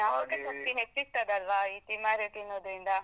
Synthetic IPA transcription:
naʋɐɡemɐt̪iɦet͡ʃːiɡt̪ɐd̪eɐlʋaːiːt̪imaːɾeʈ̪inːod̪ɾind̪ɐ

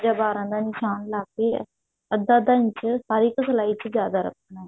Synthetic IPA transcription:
d͡ʒaːbaːɾãːnd̪aːnɪʃaːnlaːkeː | əd̪ːaːd̪aːɲt͡ʃəhəɾɪkːsəlaːit͡ʃəd͡ʒjaːd̪aːɾə̰kːənɛ̃ː

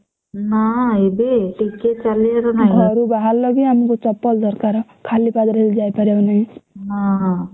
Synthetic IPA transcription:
naebeʈikːet͡ʃaleɾɔnaɡʱɔɾubaɦalːʌɡiamikot͡sʌpːɔld̪ʌɾkaɾ | kʰalipad̪ɾɦeld͡ʒajpʌɾjanʌjna

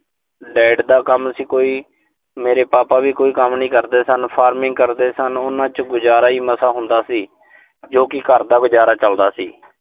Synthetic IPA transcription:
ɖɛːɖd̪aːkəmsiːkoːiː | meːɾeːpaːpaːʋiːkoːiːkəmnĩːkəɾd̪eːsənpʰaːɾmɪ̃ŋɡkəɾd̪eːsənʊnãːt͡ʃɡʊd͡ʒaːɾaːiːməsaːɦʊ̃nd̪aːsiː | d͡ʒoːkɪkəɾd̪aːɡʊd͡ʒaːɾaːt͡ʃəld̪aːsiː

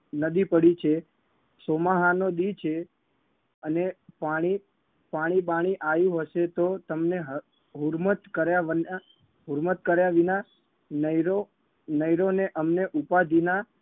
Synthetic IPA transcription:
nəd̪ipəɽit͡ʃʰe | somaɦanod̪it͡ʃʰe | ənepaɽ̃i | paɽ̃iɓaɽ̃iʔajũɦəʃet̪ot̪əmneɦə | ɦuɾmət̪kəɾjaʋəna | ɦuɾmət̪̚kəɾjaʋina | nəɾo | nəjɾoneʔəmneʔupad̪ʱina

